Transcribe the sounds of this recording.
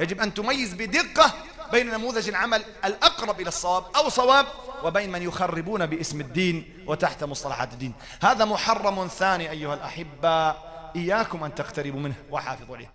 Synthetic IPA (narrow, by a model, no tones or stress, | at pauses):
jad͡ʒɪbʔant̪ʊmajːɪzbɪd̪ɪqːa | beːnnamuːðɪd͡ʒalʕamalʔalʔɑqɾˤɑbʔɪlɑsˤːɑwaːb̚ʔawsˤɑwaːb̚wɪbejnmanjʊxarːɪbuːnabɪʔɪsmad̪ːiːn | wɪt̪aħt̪mʊsˤt̪ˤɑlɑ̰ħa̰ːt̪d̪ːiːn | haːðamʊħɑrˤːɑmθaːniːʔajːʊhalʔa̰ħɪbːa | ʔɪjːaːkʊmʔant̪aqt̪aɾɪbmɪnhwɪħɑ̰ːfɨðˤlɪ̰ː